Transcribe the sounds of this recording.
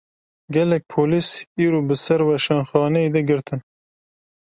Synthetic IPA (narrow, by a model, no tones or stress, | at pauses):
ɡʲɛlɛk̚ʲpʰoːlisiːɾoːbɨsɛɾwɛʃɛnxɑːnɛjed̪ɛɡɨɾt̪ʰɨn